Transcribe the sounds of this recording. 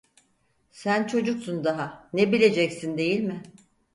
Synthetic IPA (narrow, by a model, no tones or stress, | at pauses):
sænt͡ʃʰo̞d͡ʒuksund̪aɦanebilʲe̞d͡ʒɛcsind̪e̞jilʲmɪ